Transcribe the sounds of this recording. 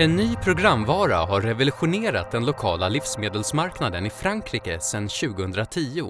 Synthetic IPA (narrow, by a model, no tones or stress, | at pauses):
ɛnːyːpʰɾʊɡɾamːvɑːɾa̰ɦaɾːɛvɛlɵɧʊneːɾat̪̚d̪ɛnlʊkʰɑːlalɪfsmeːd̪əlsmaɾknad̪ənɪfɾaŋkʰɾiːkəsɛnːɕʉ̟ːɡəhɵnd̪ɾat̪ʰiːʊ